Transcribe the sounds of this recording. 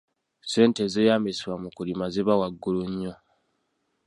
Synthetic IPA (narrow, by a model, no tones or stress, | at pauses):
se̞ːntezejaːmesiβwamukulimazeβawaɡːuluɲːo̞